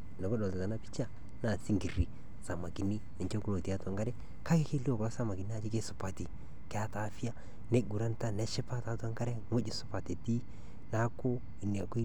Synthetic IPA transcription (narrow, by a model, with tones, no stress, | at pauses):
nɛ˨ɡo˦dɔ˨lta˨ta˨na˦pi̥˦t͡ʃa˦ | na˨si˦ŋɡi˨ɾi˨ | sa˨ma˨ki˨ni˦nɪ˨t͡ʃe˦ɡu˦lo˨ti˨˦a˦ta˦ŋɡa˦ɾɛ˦ | ka˦ke˦ke˦li˦o˨kɔ˨la˦sa˦ma˨ɡɪ˨n˦a˨d͡ʒi˦ke˦sʊ˨pa˨ti˨ | kɪ˨a˦ta˨˦fi˦a˦ | ne˦ɡu˨ɾa˦nta˦nɛ˦ʃɪ˦pa˦ta˨˦ta˦ŋɡa˦ɾɛ˦ŋo˦d͡ʒɪ˨sʊ˨pa˨te˨ti˦ | na˦kʊ˦ | ɪ˨n˨a˨ku˦